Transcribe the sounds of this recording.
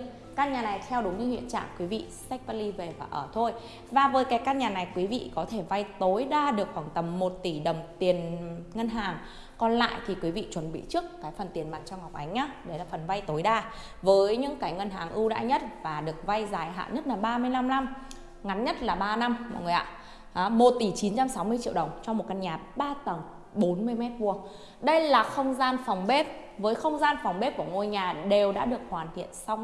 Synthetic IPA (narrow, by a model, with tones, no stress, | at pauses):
kaː˧nɲaː˨˩na˨˩jt̪ʰɛ˧wɗu˨˦ŋ͡mɲɨ̰˧hḭ˧˨ənt͡ɕa̰ː˧˨ŋkwi˨˦vḭ˧˨sa˦˥k̚pa˧li˧ve˨˩vaː˨˩ʔəː˧˩t̪ʰo˧j | vaː˨˩vəː˨˦jkaː˨˦jkaː˧nɲaː˨˩na˨˩jkwi˨˦vḭ˧˨kɔ˨˦t̪ʰe˧˩va˧jt̪o˨˦jɗaː˧ɗɨ˨˩ək̚xwaː˧˩ŋt̪ə˨˩mːo˨˩t̚t̪i˧˩ɗə˨˩wŋ͡mt̪i˨˩ənŋə˧nɦaː˨˩ŋ | kɔ˧nla̰ː˧˨jt̪ʰi˨˩kwi˨˦vḭ˧˨t͡ɕwə˨˩nɓḭ˧˨t͡ɕɨ˦˥əkːaː˨˦jfə˨˩nt̪i˨˩ənmaː˨˩t̚t͡ɕɔ˧wŋ͡mha˨˩k͡pʔa˨˦jŋ̟ʔaː˨˦ɗə˨˦jlaː˨˩fə˨˩nva˧jt̪o˨˦jɗaː˧ | vəː˨˦jɲɨ̰˧˥ŋkaː˨˦jŋə˧nɦaː˨˦ŋʔɨ˧wɗa̰ː˧ɲə˦˥t̚vaː˨˩ɗɨ˨˩ək̚va˧jzaː˨˩jɦa̰ː˧˨ɲə˦˥t̚laː˨˩ɓaː˧mɨ˧əjla˧mna˧m | ŋa˨˦nɲə˦˥t̚laː˨˩ɓaː˧na˧mmɔ̰˧˨jŋ˨˩jʔa̰ː˧˨ | ʔaː˨˦mo˨˩t̚t̪i˧˩t͡ɕi˨˦nt͡ɕa˧msa˨˦wmɨ˧ət͡ɕḭ˧˨wɗə˨˩wŋ͡mt͡ɕɔ˧ŋ͡mm˨˩t̚ka˧nɲaː˨˩t̚ɓaː˧t̪ə˨˩ŋ | ɓo˨˦nmɨ˧əjmɛ˦˥t̚vu˧ə | ɗə˧jlaː˨˩xə˧wŋ͡mzaː˧nfɔ˨˩wŋ͡mɓe˦˥p̚ | vəː˨˦jxə˧wŋ͡mzaː˧nfwŋ͡mɓe˦˥p̚ku˧˩əŋo˧jɲaː˨˩ɗe˨˩wɗa̰ː˧˥ɗɨ˨˩ək̚hwaː˨˩nt̪ʰḭ˧˨ənsa˧wŋ͡m